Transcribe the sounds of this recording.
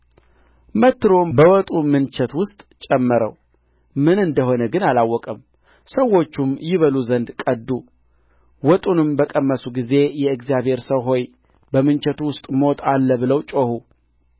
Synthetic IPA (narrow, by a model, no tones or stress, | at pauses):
mət̪ːɨɾombəwɔt̪ʼumɨnt͡ʃɛt̪wʊst̪ʼt͡ʃʼɛmːəɾə̰w | mɨnɨnd̪əɦo̞nəɡɨnalawːɔkʼəm | səwːo̞t͡ʃːumjɪβəluzənd̪kʼəd̪ːu | wɔt̪ʼunɨmbəkʼəmːəsuɡize̞jɛɨkzijaβhe̞ɾsəwɦo̞j | bəmɨnt͡ʃɛt̪wʊst̪ʼmo̞t̪ʼalːəβɨləwt͡ʃʼohu